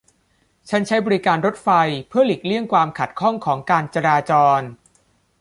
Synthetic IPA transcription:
t͡ɕʰa˦˥nt͡ɕʰa˦˥jbɔː˧ɾi˦˥kaː˧nɾo˦˥t̪̚fa˧jpʰɯ˥˩ɐli˨˩k̚li˥˩əŋkwaː˧mkʰa˨˩t̪̚kʰɔ˥˩ŋkʰɔː˩˦ŋkaː˧nt͡ɕa˧ɾaː˧t͡ɕɔː˧n

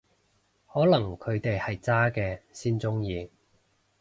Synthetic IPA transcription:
hɔː˨˥lɐ˨˩ŋkʰɵ˨˧ɥt̪e˨jhɐ˨jt͡saː˥kɛː˧siː˥nt͡sʊ˥ŋjiː˧

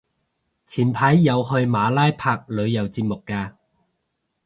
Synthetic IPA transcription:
t͡sʰiː˨˩npʰaː˨˥jːɐ˨˧whɵ˧ɥmaː˨˧laː˥jpʰaː˧k̚lɵ˨˧ɥjɐ˨˩wt͡siː˧p̚mʊ˨kːaː˧

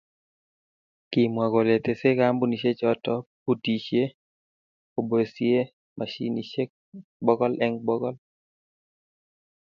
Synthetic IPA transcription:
ki˨mwa˨ɡɔ˨le˨t̪e˨se˦ka˦mbu˦ni˨ʃe˦t͡ʃɔ˦tɔ˦pu˦ti˨ʃje˦ | o˨be˨sje˦ | mʔa˨ʃḭ˦ni˨ʃe˦ | bɔ˦ɡɔ˦lʔɛ˦ŋbɔ˦ɡɔ˦l

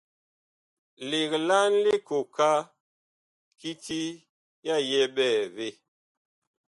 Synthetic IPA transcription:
li˨kla˦n˦le˦ko˨ka˦ | ki˦ti˦ | ja˦˨jɛ˦bɛː˦˨ve˦˨

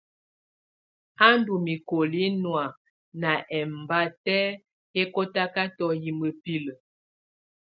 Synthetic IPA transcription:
a˦ndu˨mi˨ko˨li˦nwa˨ | na˨ʔɛ˨m˨ba˦tɛ˦ | e˦ko˦ta˦ka˦tɔ˦ji˨mə˨pi˦lə˨

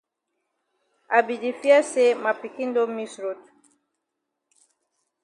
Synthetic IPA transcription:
a˨bi˨di˨fi˦a˦se˦ma˨pi˨ki˦ndɔ˦mi˦sɾo˨tu̥˨

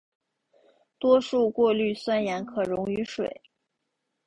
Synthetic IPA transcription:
t̪wɔ˥ʂu˥˧kwɔ˥˧ly˥˩swa˥njɛ˧˥nkʰɤ˨˩ɻʊ˧˥ŋy˧˥ʂwe˨˩˦ɪ

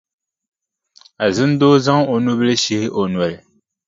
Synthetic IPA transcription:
a˨zɨ˦n˦doː˦za˦ŋo˨nu˦bɨ˦lɨ˦ʃe˦hɪ˦ʔo˨nwɛ˨lɪ˨

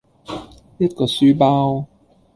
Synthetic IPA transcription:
jɐ˥t̚kɔː˧syː˥paː˥w

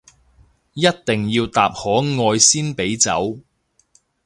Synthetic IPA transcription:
jɐ˥t̚t̪ɪ˨ŋjiː˧wt̪aː˨p̚hɔː˨˥ŋɔː˧jsiː˥npe˨˥jt͡sɐ̰˨˥w

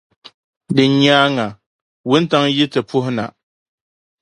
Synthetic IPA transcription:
dɨ˨ɲaː˦ŋa˨ | wʊ˦n˦ta˦ŋji˦tɨ˨pʊ˦hʊ˦na̰˨

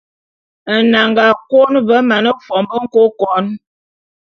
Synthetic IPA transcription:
na˨ŋɡa˨ko˦nbə˨˦ma˨nə˦fɔ˨mbə˦ŋ̩˦ko˦kɔ˨˦n

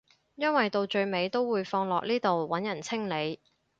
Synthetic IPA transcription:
jɐ˥nwɐ˨jt̪o˨wt͡ʃɵ˧ɥme˨˧jt̪o˥wwuː˨˧jfɔː˧ŋlɔː˨k̚niː˥t̪o˨wwɐ˨˥njɐ˨˩nt͡sʰɪ˥ŋle˨˧j

